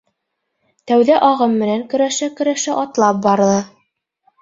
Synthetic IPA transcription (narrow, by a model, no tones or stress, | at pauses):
t̪æwðæʔɑʁɤmːɘ̆næŋkɵ̆ɾæʃækɵ̆ɾæʃæʔɑt̪lˠɑp̚bɑɾlˠɤ